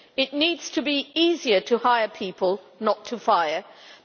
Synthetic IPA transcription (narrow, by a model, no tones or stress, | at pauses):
ɪʔⁿniːdz̥tʰəbiiziəɾʰəhaɪəpʰiˑpʰəlˠ | nətʰəfaɪə